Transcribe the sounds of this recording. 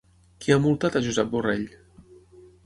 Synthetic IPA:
kiamulˠt̪at̪aʒuzɛp̚bureʎ

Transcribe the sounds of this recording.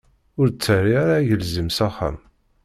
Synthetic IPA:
ʊɾt͡sːərːiaɾaʝəlzəmsaχːa̰m

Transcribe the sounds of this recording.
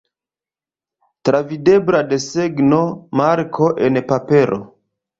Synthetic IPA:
tɾavide̞bɾade̞seɡnomaɾkʰo̞ʔenpape̞ɾʔo̰

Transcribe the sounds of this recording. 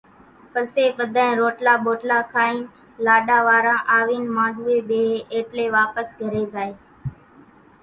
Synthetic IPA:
pəɾseːɓəd̪ʱaːẽːɾoːʈlaːɓoːʈlaːkʰaːiːn | laːɗaːʋaːɾãːʔaːʋiːnmãːɖʱuːeːɓeːɦːʔeːʈleːʋaːpəsɡʱəɾeːzaːeː

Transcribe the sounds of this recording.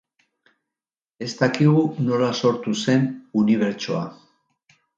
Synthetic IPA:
e̞st̪akiɣ̞uno̞laso̞ɾt̪use̞nuniβ̞e̞ɾt͡ʃoa̰

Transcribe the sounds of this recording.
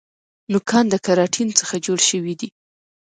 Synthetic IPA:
nʊkʰɑnd̪əkaɾɑʈʰint͡səxad͡ʒoɽʃəwid̪i

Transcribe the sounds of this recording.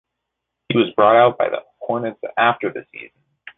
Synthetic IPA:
hiwʌzbɹɔɾaʊt̚b̥aɪðə̰pʰɔɹnɨdz̥æftə˞ðɨsḭz̥n̩

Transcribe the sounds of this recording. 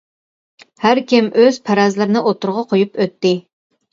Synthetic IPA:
hæɾkʲɪmʔøz̥pʰæɾɑzlˠɨɾɪnɨʔot̪ʊɾʁɑqʰojupøt̪ːɪ

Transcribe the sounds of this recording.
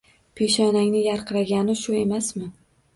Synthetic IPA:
pʰeʃɒnaŋnɪjaɾqʰɨɾaɡʲanɪʃʊe̞masmɪ

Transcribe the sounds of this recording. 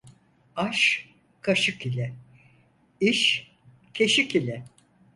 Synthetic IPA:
aʃ | kʰaʃɯkilʲɛ | iʃ | cʰe̞ʃikilʲɛ

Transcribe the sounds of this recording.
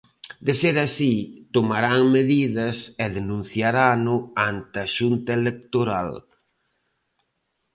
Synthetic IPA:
d̪eseɾasit̪omaɾaŋmeðiðɐsɛðenũn̟θjaɾanʊant̪ɐʃunt̪ɐelek̚t̪oɾa̰l

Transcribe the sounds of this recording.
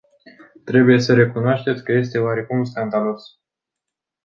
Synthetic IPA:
t̪ɾe̞buje̞səɾe̞kunoaʃt̪e̞t̪sʲkəje̞s̬t̪e̞oaɾe̞kumskand̪alo̞s

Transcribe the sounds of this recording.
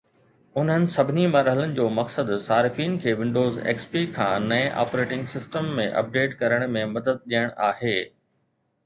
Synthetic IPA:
ʊn̤ɦənɪ̆sɐbʱɪnimɐɾɦələnɪ̆d͡ʑoːmɐksəd̪saːɾɪfiːnkʰeːʋɪ̃ɳɖoːzḛːkspikʰãːnɐẽʔa̰ːpɾeːʈɪ̃ŋɡsɪsʈəmːẽʔɐ̰p̚ɖeːʈkɐɾəɽ̃mẽmɐd̪əd̪̚ɗijəɽ̃aːheː

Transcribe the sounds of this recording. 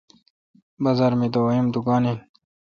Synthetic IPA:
bɐzɐɾmid̪owimd̪ukaːnin

